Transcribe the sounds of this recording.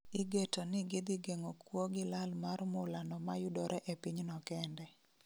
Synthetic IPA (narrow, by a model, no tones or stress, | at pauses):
iɡetonɪɡɪd̪ɪɡeŋokwoɡɪlalmarmʊlanɔmajʊdɔɾʔɛʔepiɲnɔkɛndɛ